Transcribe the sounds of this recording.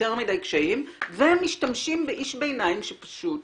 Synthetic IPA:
eʁmidajkʃaimvemːiʃtamʃimbeʔiʃbejnaimʃepḁʃut

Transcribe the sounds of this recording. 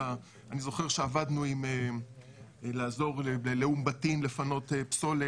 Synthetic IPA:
a | anizo̞χeʁʃeavad̪nuime | laːzo̞ʁleleumbatimle̞fano̞tepso̞le

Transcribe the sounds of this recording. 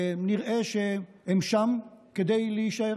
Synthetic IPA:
niʁʔeʃe | hemʃamked̪ejleiʃae

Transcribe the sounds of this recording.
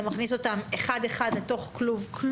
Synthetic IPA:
maχnis̬o̞tameχade̞χad̪leto̞χkluvkʰl

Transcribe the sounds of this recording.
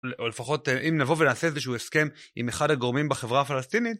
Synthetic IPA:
leole̞faχo̞teʔimnavovenaːseezeʃuueske̞mḭmeχadaɡoʁmimbeχe̞vʁaːfalastinit̪̚

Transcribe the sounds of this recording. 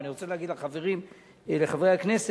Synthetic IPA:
niʁot͡seleaɡid̪laχave̞ʁim | leχavejhakne̞s

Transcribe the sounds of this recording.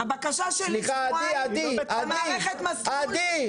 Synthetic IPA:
abakaʃaʃeliχaːiad̪iadmaiʁeχet̪masad̪i

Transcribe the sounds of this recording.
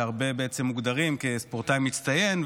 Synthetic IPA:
aʁbe̞beet͡semːuɡd̪aʁimkespoʁtajmit̪st̪aje̞nv

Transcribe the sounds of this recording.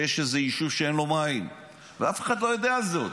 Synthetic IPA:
jeʃezeiʃuvʃeenlo̞main | veafeχad̪lo̞jod̪eazot

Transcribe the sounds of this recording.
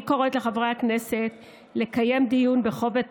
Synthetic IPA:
koʁot̪leχavʁaakne̞set̪ | le̞kaje̞md̪ijunbeχo̞vet

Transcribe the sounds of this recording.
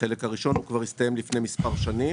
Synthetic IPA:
χelekhaʁiʃo̞nhukvaʁist̪ajemlifnemispaʁʃani

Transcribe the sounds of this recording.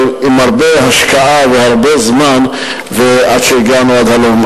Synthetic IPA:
imhaʁbehaʃkaʔavehaʁbezman | veʔad̪ʃejiɡanuad̪halom

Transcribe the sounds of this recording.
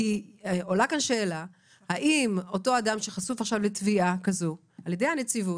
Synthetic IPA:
io̞lakanʃe̞ːla | haʔimo̞to̞adamʃeχasufaχʃavletviakazo | aljedejhanet͡sivu

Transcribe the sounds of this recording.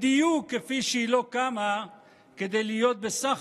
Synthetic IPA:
d̪ijukːefiʃeilo̞kama | ked̪ejlijo̞t̪̚besaχ

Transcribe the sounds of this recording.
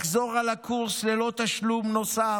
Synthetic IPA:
χzo̞ʁalakʰuʁslelo̞t̪aʃlumno̞sa

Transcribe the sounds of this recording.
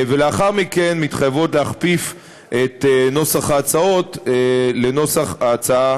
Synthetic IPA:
veleaχaʁmike̞nmit̪χajavotleaχpif | ʔet̪no̞saχaːt͡sao̞tle̞no̞saχaːt͡saa

